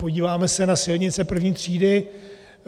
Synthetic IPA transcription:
po̞ɟiːvaːmɛsɛnasɪlɲɪtt͡sɛpr̩vɲiːt̪r̝̥iːdɪ

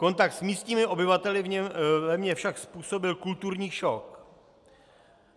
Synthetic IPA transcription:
ko̞nt̪akt̪smiːst̪ɲiːmɪʔo̞bɪvat̪ɛlɪvɲɛvɛmɲɛfʃakspuːso̞bɪlkult̪uɾɲiːʃok

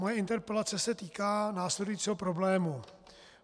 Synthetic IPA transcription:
mojɛɪnt̪ɛɾpɛlat͡sɛsɛt̪iːkaːnaːslɛdujit͡siːɦo̞pɾo̞blɛːmu

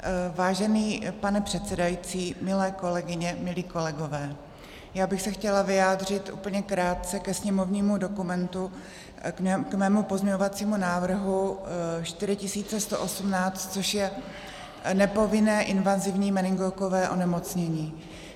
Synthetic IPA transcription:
vaːʒɛniːpanɛpr̥ɛt̪t͡sɛdajit͡siːmɪlɛːko̞lɛɡɪɲɛmɪliːko̞lɛɡo̞vɛː | jaːbɪxsɛxcɛlavɪjaːdr̝ɪt̪ʔṵːpl̩ɲɛkɾaːt̪̚t͡sɛkɛsɲɛmo̞vɲiːmudo̞kumɛnt̪u | ɛkmɛːmupo̞zɲɛɲovat͡siːmunaːvr̩ɦuʃt̪ɪɾɪcɪsiːt͡sɛst̪o̞ʔo̞sumnaːt͡st̪̚t͡so̞ʃjɛ | nɛpo̞vɪnɛːʔɪnvazɪvɲiːmɛnɪŋɡokovɛːʔo̞̰nɛmo̞t͡sɲɛɲiː

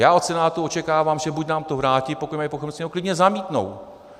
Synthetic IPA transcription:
jaːot̪t͡sɛnaːt̪uot͡ʃɛkaːvaːmʒɛbucnaːmt̪ovɾaːcɪpokumajpoxɛmsɲɛɦoklɪdɲɛzamiːt̪no̰w

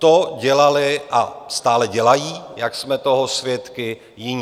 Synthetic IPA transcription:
t̪oɟɛlalɪʔa̰st̪aːlɛɟɛlajiːjaksmɛt̪o̞ɦosvjɛt̪kɪ | jɪɲ

